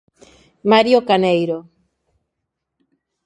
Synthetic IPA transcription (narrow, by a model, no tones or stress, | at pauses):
maɾjokanejɾo